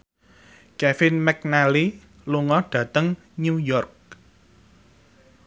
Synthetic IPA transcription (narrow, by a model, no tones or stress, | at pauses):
kɛfɪnmɛk̚nali | luŋɔɖ̥ä̤t̪əŋ | nujɔrk̚